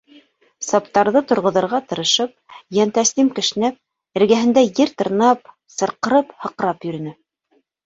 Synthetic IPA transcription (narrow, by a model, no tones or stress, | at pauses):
sɑpt̪ɑɾðɤt̪ŏɾʁŏðɤ̆ɾʁɑt̪ɤ̆ɾɤ̆ʃɤp̚jænt̪æst̪imkɘ̆ʃɘ̆næp̚ | ɘ̆ɾɡæɦɘ̆nd̪æjɘɾt̪ɤ̆ɾnɑp̚ | sɤ̆ɾqɤ̆ɾɤphɤ̆q̆ɾɑpjɵ̆ɾɘ̆nɘ